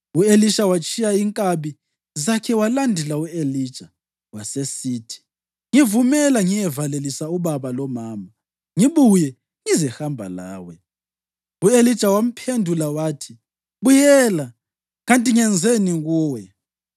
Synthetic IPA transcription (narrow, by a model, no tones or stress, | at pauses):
ueliʃawat͡ʃʼijaiŋkʼaβi | zakʰɛwalandʱɛlauelid̥ʒ̥ʼʱa | wasesiːtʰi̥ | ŋivumɛlaŋijɛvalelisauβaβalɔmaːma | ŋiβujɛ | ŋizɛhambʱa̰la̰ːwɛ | ueli̥ʒ̥ʱawam̩pʰendʱulawaːtʰi | βujɛːla | ɣantʼiŋɛnd͡zʱeniɣuːwɛ